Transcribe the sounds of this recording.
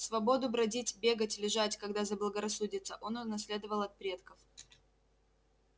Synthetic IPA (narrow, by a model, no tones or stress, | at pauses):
svɐbo̞d̪ʊbɾɐdʲitʲbʲe̞ɡətʲlʲɪʐatʲkɐɡd̪azəblˠəɡəɾɐsːudʲɪt̪səʔo̞nʊnɐsʲlʲe̞d̪əvəlˠɐt̪̚pɾʲe̞t̪kəf